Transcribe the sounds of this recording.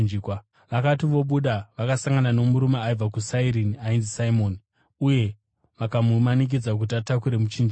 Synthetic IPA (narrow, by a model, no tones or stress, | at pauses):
d͡ʒiːkwa | ʋakatiʋo̞ɓuɗaʋakasaŋɡanano̞muɾumaːib͡vakusaiɾiniainzisaimo̞ni | uje̞ | ʋakamumanik̬id͡zak̬ut̬iatakuɾe̞mut͡ʃind͡ʒi